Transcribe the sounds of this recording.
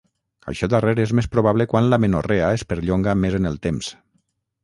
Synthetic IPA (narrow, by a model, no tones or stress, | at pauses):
a̰ʃɔd̪areɾezmespɾoβ̞aβlekwanlamenoreaespeɾʎoŋɡamezenelˠt̪ems